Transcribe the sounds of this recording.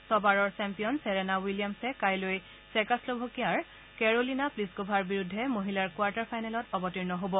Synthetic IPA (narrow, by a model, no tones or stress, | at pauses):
sɔbaɹɔɹsɛmpijɔnsɛɹɛnawilijamsɛkajloj | sɛkaslobʱokijaɹ | kɛɹolinapliskobʱaɹbiɹudʱːɛmoɦilaɹkwaɹtaɹpʰajnɛlɔtɔbɔtiɹnɔɦobɔ